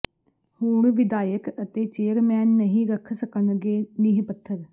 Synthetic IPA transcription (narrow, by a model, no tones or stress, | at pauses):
huːɳʋɪd̪aːjəkət̪eːt͡ʃeːəɾmɛːnːəɦĩːɾəkʰsəkənɡeːnɪɦpət̪ʰːəɾ